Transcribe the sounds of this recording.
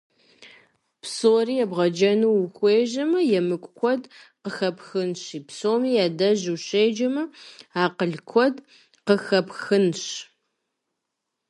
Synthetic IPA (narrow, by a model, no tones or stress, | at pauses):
psoːriːjɛbʁɐd͡ʒɐnuːwxʷeːʒɐmɐjɛmɨkʷʼkʷʰɔdqəxɐpxɨnɕiːpsoːmiːjadɐʑuɕejd͡ʒɐmɐaːqəɮkʷʰɔd | qəxɐpxɨnɕ